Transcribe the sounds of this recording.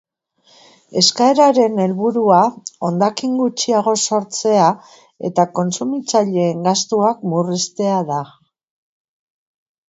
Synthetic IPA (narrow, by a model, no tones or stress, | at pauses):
e̞skae̞ɾaɾe̞ne̞lβuɾuao̞nd̪akiŋɡut͡ʃiaɣ̞o̞so̞ɾt͡se̞a | e̞̰t̪ako̞nsumit͡saʎe̞ːŋɡast̪uakmurist̪e̞aða